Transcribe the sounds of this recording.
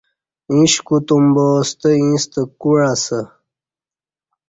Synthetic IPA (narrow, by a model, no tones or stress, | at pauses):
ĩɕkut̪umboːst̪əĩst̪əkuɻasə